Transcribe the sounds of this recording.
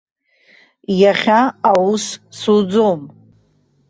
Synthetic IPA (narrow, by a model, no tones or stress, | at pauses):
jaχʲaawussud͡zom